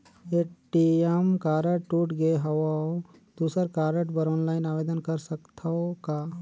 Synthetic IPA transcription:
eːʈiemkaːɾəʈʈuːʈɡeɦɐʋaod̪̥uːsəɾkaːɾəʈbɐɾɔːnlaːɪnaːʋeːd̪ənkɐɾsəkt̪ʰaka

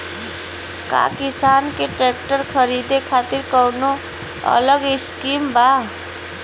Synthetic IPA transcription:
ka̰kisaːnkeʈekʈəɾkʰəɾid̪ekʰaːt̪iɾkəwno | ə̰ləɡɪskiːmba

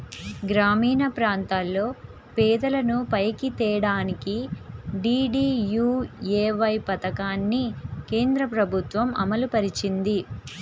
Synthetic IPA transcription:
ɡɾaːmiːnɐpɾaːnt̪aːlːo̞ː | pɛːd̪ɐlɐnupɐjkit̪ɛːɽaːnikiɖiːɖiːjuːjeːʋɐjpɐt̪ɐkaːnːike̞ːnd̪ɾɐpɾɐbʱut̪ʋɐmʔɐ̰mɐlupɐɾit͡ʃind̪i

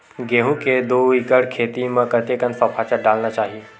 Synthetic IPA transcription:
ɡeːɦũked̪oːɪkəɽkʰeːt̪imɐ̃kɐt̪ekənfɐpʰaːt͡ʃəɖaːlnat͡ʃaːɦie

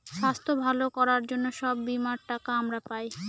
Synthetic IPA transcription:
ʃast̪ʰobʱalokɔɾaɾd͡ʑonːoʃɔbːimaɾʈakaamɾapaj

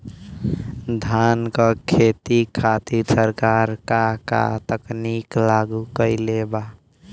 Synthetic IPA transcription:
d̪ʱankəkʰet̪ikʰat̪isəɾkaɾkaka̰t̪əkniklaɡukəɪleba

